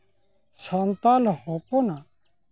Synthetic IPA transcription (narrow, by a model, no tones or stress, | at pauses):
saːnt̪aːlhoːpoːnaː